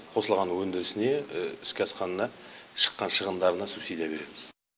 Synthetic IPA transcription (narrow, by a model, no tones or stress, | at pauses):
qʰo̞səlˠʁɑnwɵnd̪ɪɾɪsɪne̞ɪskʲɪɑsqɑnənɑʃə̥qːɑnʃəʁənd̪ɑɾənɑsupsid̪ijɑbe̞ɾe̞mɪz̥